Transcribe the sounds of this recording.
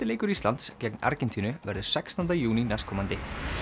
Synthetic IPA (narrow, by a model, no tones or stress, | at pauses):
ɪleːjkʏɾist̪lant̪scɛkna̰ɾcɛnt̪ʰiːnʏvɛɾðʏsɛkst̪ɔnt̪ajuːninaskʰɔːmant̪ɪ